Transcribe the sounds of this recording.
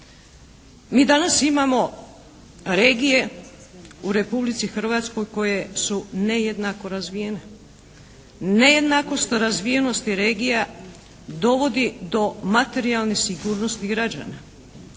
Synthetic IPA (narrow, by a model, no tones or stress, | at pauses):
miːd̪anasimamo̞ | ɾe̞ːɡije̞ | uɾe̞publit̪sixr̩ʋat̪sko̞jko̞je̞sune̞je̞d̪nako̞ɾazʋije̞ne | ne̞je̞d̪nako̞st̪ɾazʋije̞no̞st̪iɾe̞ːɡija | d̪o̞ʋo̞d̪id̪o̞mat̪e̞ɾialnesiɡuːɾno̞st̪iɡɾad͡ʒa̰na